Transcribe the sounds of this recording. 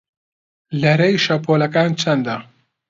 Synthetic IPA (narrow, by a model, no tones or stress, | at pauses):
lɐɾɐjʃɐpʰoːlɐkaːnt͡ʃʰɐnd̪a